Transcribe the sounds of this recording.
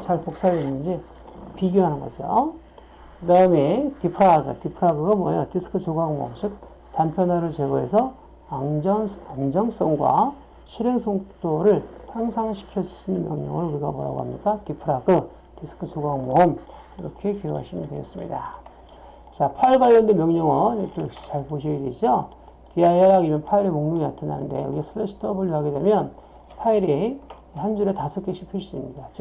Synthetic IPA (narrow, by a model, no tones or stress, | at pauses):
t͡ɕaɭpok̚s͈aɾinːɯnd͡ʑi | piɡjoɦanɯnɡʌ̰d͡ʑo̰ | kɯdaɯmekipʰɯɾaɡɯ̰tipʰɯɾaɡɯɡamwa̰jʌtisʰɯ̥kʰɯt͡ɕoɡaŋmo̰ːmɕʰik̚ | tanpʰjʌnaɾɯɭt͡ɕeɡoɦe̞sʰʌ | ad͡ʑʌaŋd͡ʑʌŋs͈ʌŋɡwa̰ | ɕʰiɾeŋsʰʌŋt͈oɾɯɭhaŋsʰaŋɕʰi̥kʰjʌsinɯnmjʌ̰ŋɲʌ̰ŋɯɾuɾiɡa̰poɾa̰ɡo̰ɦa̰mɲḭk͈atipʰɯɾaɡɯ | tesʰɯ̥kʰɯsʰoɡaŋmom | iɾʌkʰe̞kiɾoɦa̰ɕʰimɯndwe̞ɡḛs͈ɯmɲḭda | t͡ɕapʰaiɭɡaiʌndemjʌŋɲʌŋʌikʰejʌk̚ɕ͈i̥t͡ɕaɭboɕʰiiɾid͡ʑo | kiajʌɾaɡimjʌnpʰaiɾemoŋɲuŋinatʰɯna̰nɯ̰nde̞̰ṵɾiesʰɯɾesʰi̥tʰʌbɯɭuɦaɡe̞dwe̞mjʌn | pʰaiɾi | hand͡ʑuɾetasʰok͈ʰeɕʰipʰiɭs͈uimɲidat͡ɕ